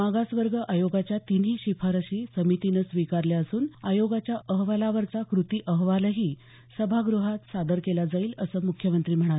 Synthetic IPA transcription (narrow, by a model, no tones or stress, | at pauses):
maɡasʋəɾɡʱəʔajoɡat͡ɕjat̪iniːɕifʰaɾəɕiːsəmit̪inəsʋikaɾljaəsuːnajoɡat͡ɕjaʔəɦʋalaʋəɾt͡sakɾut̪iːʔəɦʋaləɦiː | səbʱaɡɾuɦat̪sad̪əɾkelad͡zaiːləsəːmukʰjəmənt̪ɾiːm̤əɽ̃a